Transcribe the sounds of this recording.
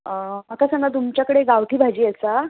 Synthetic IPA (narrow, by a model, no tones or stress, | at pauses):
əmək̪asəŋat̪̬umt͡ɕjakəɽeɡawt̪ʰiːbʱad͡ʑiːəsa